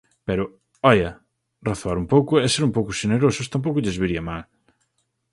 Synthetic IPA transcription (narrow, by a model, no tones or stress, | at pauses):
pɛɾʊ | ɔʎɐ | raθoaɾumpowkʊɛseɾumpowkʊʃeneɾosʊst̪ampowkʊʎezβiɾiɐmal